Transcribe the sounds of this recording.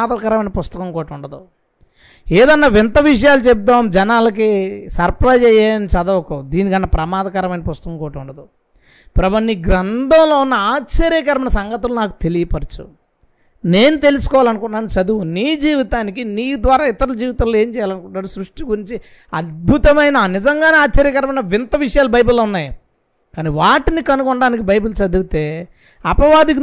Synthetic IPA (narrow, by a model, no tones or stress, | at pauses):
aːd̪ɐkaɾɐmɐjnɐpust̪ɐkɐŋkoːʈuɳɖɐd̪u | eːd̪ɐnːɐʋint̪ɐʋiʂ̬ɐjaːlut͡ʃɛp̚d̪oːmd͡ʒɛnaːlɐk̬isɐɾpɾajd͡ʒɛjaːɾɐnit͡ʃɐd̪ɐɐkud̪iːnikɐnːɐpɾɐmaːd̪ɐkaːɾɐmɐjnɐpust̪ɐkɐŋkɔːʈuɳɖɐd̪u | pɾɐbɐnːiɡɾɐnd̪ʱɐmloːunːɐaːt͡ʃɐɾiːkɐɾɐmɐnɐsɐŋɡɐt̪ːulunaːku̥t̪e̞lijɐpɐɾut͡ʃṵ | ne̞ːnut̪e̞lusu̥kɔːʋaːlɐnukuɳʈːaːnut͡ʃɐd̪uuniːd͡ʒiːʋit̪aːnikiniːjud̪ʋaːɾaːit̪ɐɾɐd͡ʒiːʋit̪ɐloeːɲt͡ʃɛːjaːlɐnukuɳʈːaːɽusɾuʂʈiɡuɾiɲt͡ʃi | ɐd̪̚bʱut̪ɐmɐjnɐnizɐŋɡaːneaːt͡ʃt͡ʃːɐɾiːkɐɾɐmɐnɐʋinɐt̪ɐʋiʂɐjaːlubɐjbulːoːunːaːji | kaːniʋaːʈinikɐnukɔɳɖaːnikibɐjbulut͡ʃɐd̪uut̪e̞ː | ɐpɐʋaːd̪ik̬i